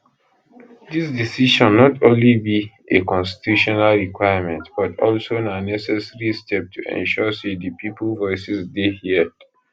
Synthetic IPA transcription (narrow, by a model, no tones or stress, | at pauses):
disdisiʃɔ̃nːɔtʰõnlibi | ekɔ̃nsti̥tjuʃɔnalɹikwajəmɛ̃ntb̥atɔlsonanɛsɛsɹistʰɛp̚tʰuʔɛ̰̃nʃɔsedəpiplvɔɪsisdehiəd̥